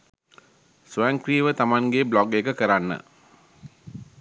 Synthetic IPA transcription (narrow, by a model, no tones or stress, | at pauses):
suaŋkɾiːʋət̪amaŋɡeblɔɡekəkəɾanːə̰